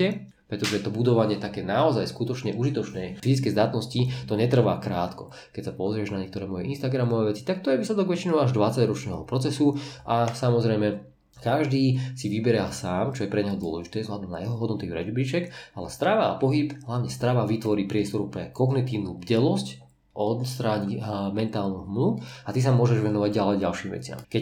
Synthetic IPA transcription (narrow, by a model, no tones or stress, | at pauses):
ɛ | pɾɛt̪ɔʒɛt̪ɔbud̪ɔʋaɲɪɛt̪akɛːnaɔzajskut̪ɔt͡ʃɲɛʔuʒit̪ɔt͡ʃnɛːfizit͡skɛjzd̪at̪nɔscit̪ɔɲɛt̪r̩ʋakɾaːt̪kɔ | kɛcsapɔzɾɪɛʒnaɲɛk̚t̪ɔɾɛːmɔjɛinst̪aɡɾamɔʋaʋɛt͡si̥t̪ak̚t̪ɔjɛʋiːslɛd̪ɔɡʋɛt͡ʃinɔʊaʒd̪ʋat͡saɟɾɔt͡ʃnɛːɦɔpɾɔt͡sɛsuʔasamɔzɾɛjmɛ | kaʒd̪iːsiʋibɛɾɪasaːmt͡ʃɔjɛpɾɛɲɛɦɔd̪ʊɔlɛʒit̪ɛːzɦlad̪ɔmna̰jɛɦɔɦɔd̪nɔt̪iɾɛ̰d͡ʒbɾit͡ʃɛkalɛst̪ɾaʋa̰ːpɔɦibɦlaʋɲɛst̪ɾaʋaʋit̪ʋɔɾiːpɾɪɛst̪ɔɾupɾɛkɔɡnit̪iːʊnubɟɛlɔsc | ʔɔst̪ɾaɲimɛnt̪aːlˠnuɦmluat̪is̬amʊɔʒɛʒʋɛnɔʋaɟɟalɛɟalʃiːmʋɛ̰t͡sɪa̰mkɛ